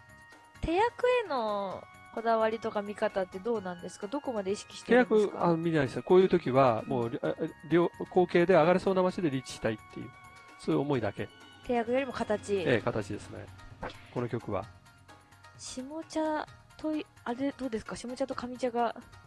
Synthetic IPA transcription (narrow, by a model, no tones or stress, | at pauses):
t̪ʰe̞jakɯ̟e̞no̞ | ko̞d̪aβaɾʲit̪o̞kamʲikat̪at̪ːe̞d̪o̞ːnãnd̪e̞sɨ̥kad̪o̞ko̞mad̪e̞iɕi̥kʲi̥ɕi̥t̪eejakɯ̟amʲinʲaisako̞ːjɯ̟ːt̪o̞kʲiβamoːɾʲoːko̞ːke̞ːd̪e̞aɡaɾeso̞ːnamat͡ɕid̪e̞ɾʲit͡ɕi̥ɕi̥t̪ait̪ʰːe̞̰jɯ̟̰ː | soːjɯ̟omo̞id̪ake̞t̪e̞jakɯ̟joɾʲimo̞kat̪at͡ɕieːkat̪at͡ɕid̪e̞sɨne̞̰ko̞no̞kʲo̞kɯ̟βa̰ | ɕimo̞t͡ɕat̪o̞i | aɾe̞d̪o̞ːd̪e̞sɨ̥kaɕimo̞t͡ɕat̪o̞kamʲit͡ɕaɡa